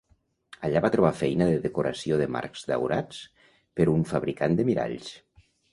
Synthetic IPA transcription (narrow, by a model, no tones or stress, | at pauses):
əʎaβat̪ɾoβ̞afɛjnəðəðekoɾʔa̰sioðəma̰ɾkz̥ða̰wɾa̰t͡s | pəɾuɱfaβɾikand̪əmiɾa̰ʎs